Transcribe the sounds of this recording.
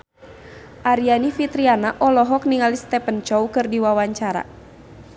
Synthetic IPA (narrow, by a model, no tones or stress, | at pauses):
ʔaɾianifit̪ɾianaʔɔlɔɦɔk̚niŋalist̪ɛpənt͡ʃɔwkɨrdiwawaɲt͡ʃaɾa̰